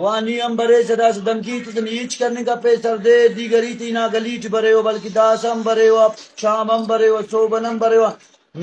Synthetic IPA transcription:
waːniːɐmbɐɾeːsɐd̪aːsɐd̪ɐmkiːt̪isɐniit͡ʃkɐɾnikɐpeːsɐɾd̪eːd̪iːɡɐɾiːt̪iinaːɡɐliːʈibɐɾeːwɐbɐlkid̪aːsɐmbɐɾeːwat͡ʃʰaːbɐmbɐɾeːwɐt͡sʰoːbɐnɐmbɐɾeːwa | n

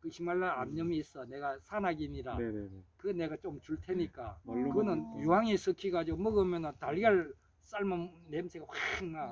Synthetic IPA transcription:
kɯɕʰimaɭːaamɲʌmiːs͈ʌne̞ɡasʰanaɡiɲiɾakɯɡene̞ɡat͡ɕomt͡ɕuɭtʰeɲik͈a̰kɯɡʌnɯnjuɦaŋisʰɯkʰiɡad͡ʑiɡomʌɡʌmjʌnɯntaɭɡaɭ | s͈aɭmanemsʰeɡaɸwaiŋa

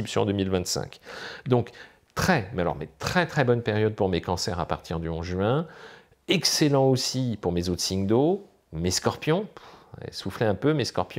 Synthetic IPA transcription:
ipsjɔ̃ɑ̰̃d̪ømilvɛ̃t̪sɛ̰̃kd̪ɔ̃k | t̪χɛmealɔ̰ʁmḛt̪χɛt̪χɛbɔnpeʁjɔd̪̚puʁmekɑ̃sɛʁapa̰ʁt̪ʰiʁd̪yɔ̰̃zʒɥɛ̃ | ɛkselɑ̃osipuʁmezot̪siŋd̪o | meskɔʁpjɔ̃ɛ̰suflɛɛ̃pømeskɔʁpjɔ̃

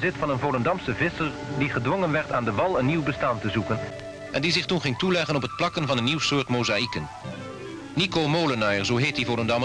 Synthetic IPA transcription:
zɪtfɑnənvowləndɑmsəvɪsəɹ | diχədʋɔŋənʋɛɹtaːndəʋɑlˠənːiwbəstaːntəzukən | ʔɛndizɪχtunχɪŋtulɛχənɔpət̚plɑkənvɑnənːiwsʊːɹtmowzaikən | nikomoːlənɑjəɹzowɦeːt̚divowləndɑm

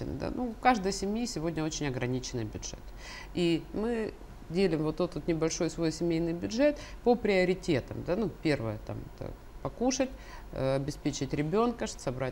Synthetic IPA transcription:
ɪ̰nɨ̰d̪a̰nukaʐd̪əjəsʲɪmʲjisʲɪvo̞dʲnʲəo̞t͡ɕɪnʲɐɡɾɐnʲit͡ɕɪnɨjbʲʊdʐ̥ɛ̰t̪ | imɨ | dʲelʲɪɪmvot̪ːot̪ːot̪nʲɪbɐlʲʂo̞jsvo̞jsʲɪmʲejnɨjbʲʊdʐɛt̪pəpɾʲɪəɾʲɪtʲe̞t̪ə̰md̪anupʲe̞rvəjət̪a̰mɛ̰t̪ə̰ | pɐkuʂətʲɐbʲɪspʲet͡ɕɪtʲɾʲɪbʲo̞nkəʂsɐbɾa

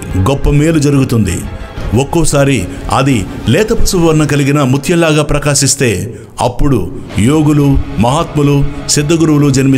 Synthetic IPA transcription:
ɡɔpːɐmeːlud͡ʒɐɾuɡut̪und̪ḭwokːɔːsaːɾiɐ̰d̪ilɛːt̪ɐpɐsuʋɐɾnɐkɐliɡinɐmut̪ʰjɐlaːɡaːpɾɐkaːʃist̪e̞ː | ɐ̰pːuɽṵjoːɡulumɐɦaːt̪mɐlusid̪ːɐɡuɾuʋulud͡ʒɐnimi

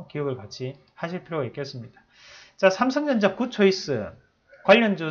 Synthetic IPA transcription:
kiʌɡɯɭkat͡ɕʰi | haɕʰiɭpʰiɾjoɡaik͈e̞s͈ɯmɲid̥ḁ | t͡ɕasʰamsʰɯŋɲʌnd͡ʑakut͡ɕʰois͈ɯ̰ | kwaʎːʌnd͡ʑu

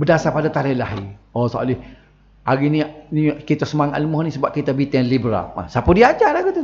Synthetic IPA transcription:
bədasapadat̪aɾɛhlahiosoʔa̰lɪh | ʔaɣinĩnikit̪asəmaŋa̰ʔləmɔhnĩsəbap̚kit̪abit̪ɛnlibɾa̰la̰sapədiad͡ʒalaɡit̪u

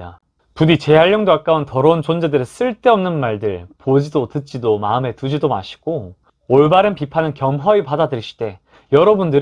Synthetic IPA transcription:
da̰ | pudit͡ɕe̞ɦaɭːjʌŋdokak͈auntʌɾʌunt͡ɕond͡ʑe̞dɯɾes͈ɯɭt͈eʌmnɯnmaɭdɯɭpod͡ʑidotɯt̚t͡ɕ͈idoma̰ɯme̞tud͡ʑidoma̰ɕʰi̥ɡ̥o | oɭbaɾɯnpipʰanɯnkjʌmɦʌipadadɯɭɕ͈i̥de̞ | jʌɾʌbundɯ

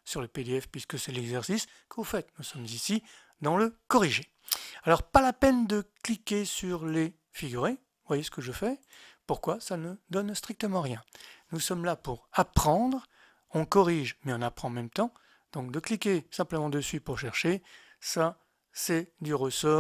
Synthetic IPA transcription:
syʁləped̪eɛfpɥiskəsɛlɛɡzɛʁsis | kəvufɛt̪nusɔmzisi | d̪ɑ̃ləkɔʁiʒe | alɔʁpalapɛnd̪əklikʲesyʁle | fiɡʲyʁe | vwajesə̥kəʒəfɛpuʁkwasanəd̪ɔnst̪χik̚t̪əmɑ̃ʁjɛ̃nusɔmlapuʁapχɑ̃d̪ʁ | ɔ̃kɔʁiʒmɛɔ̃napχɑ̃ɑ̃mɛmt̪ɑ̃ | d̪̥ɔ̃k̚d̪əklikʲesɛ̃pləmɑ̃d̪əsɥipuʁʃɛʁʃe | sa | sɛd̪yʁəsɔ

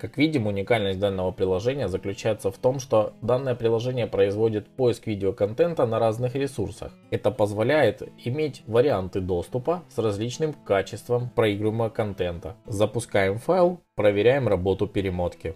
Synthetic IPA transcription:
kakvʲidʲɪmʊnʲɪkalʲnəsʲt̚ʲd̪anːəvəpɾʲɪlˠɐʐɛnʲɪjəzəklʲʉt͡ɕæjɪt̪səft̪o̞mʂt̪o̞d̪anːəjəpɾʲɪlˠɐʐɛnʲɪjəpɾəɪzvo̞dʲɪt̪po̞jɪskvʲidʲɪokɐnt̪ɛnt̪ənɐɾaznɨxɾʲɪsursə̰x | ɛt̪əpəzvɐlʲæjɪt̪ɪmʲetʲvəɾʲɪant̪ɨd̪o̞st̪ʊpəsrɐzʲlʲit͡ɕnɨmkat͡ɕɪst̪vəmpɾɐiɡɾʊjɪmːəvəkɐnt̪ɛnt̪əzəpʊskajɪmfajlˠpɾəvʲɪɾʲæjɪmrɐbo̞t̪ʊpʲɪɾʲɪmo̞t̪kʲɪ

